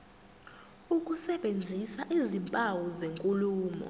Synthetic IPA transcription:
ukʼusɛɓend͡zʱisaʔizimpʼawɔzeŋkʼuluːmɔ̰

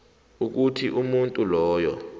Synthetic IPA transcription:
uk̬utʰiʔumuntʼulɔːjɔ̰

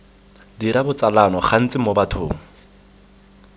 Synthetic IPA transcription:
diɾabʊt͡sʼalanɔχʰan̩t͡sʼɪmobatʰʊ̰ːŋ̩

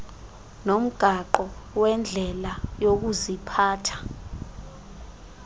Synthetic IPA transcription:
nom̩ɡ̥ʱaǃɔwɛnd͡ɮʱɛlajok̬uzipʰaːtʰḁ

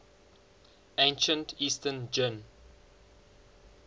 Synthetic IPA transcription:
ẽɪ̃nʃə̃ntʰiːstʰənd͡ʒən

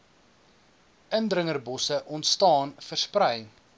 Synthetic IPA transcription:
ʔəndrəŋərbɔsəʔɔntstɑːnfərsprɛj

